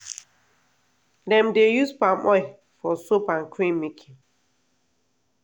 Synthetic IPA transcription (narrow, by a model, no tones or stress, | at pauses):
dɛ̃mdejuspãmʔɔɪ | fɔsopãnkʰɹĩnmikʰĩ